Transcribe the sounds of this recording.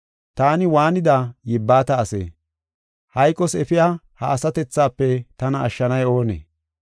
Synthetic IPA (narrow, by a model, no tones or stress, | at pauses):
t̪aːnɪwaːnɪd̪aːjɪbːaːt̪ɐːsḛː | hɐjkʼːɔsɛfɪjaː | hɐ̰ːsɐt̪ɛt͡sːaːpːɛt̪ɐnɐːʃːɐnɐjo̞ːnḛː